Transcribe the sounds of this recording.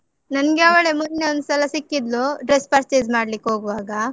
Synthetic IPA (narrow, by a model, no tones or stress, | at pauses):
nɐnɡeɐʋɐɭemunːeond̪usɐlɐsikːid̪luɖɾespɐɾt͡ʃeːd͡ʒmaːɽlikːɦoːɡʋaːɡɐ